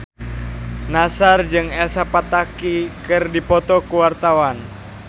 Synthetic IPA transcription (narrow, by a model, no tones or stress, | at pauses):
nasard͡ʒɨŋɛlsapat̪akikɨrdipɔt̪ɔkuwart̪awan